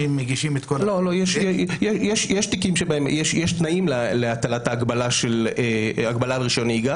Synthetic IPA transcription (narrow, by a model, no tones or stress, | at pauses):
imːeɡiʃimet̪kolo̞lo̞jeʃjjeʃjɛʃjeʃt̪ikimʃebaemjeʃjeʃt̪naimleleat̪alat̪aːɡbalaʃeleaɡbalalʁiʃoniɡa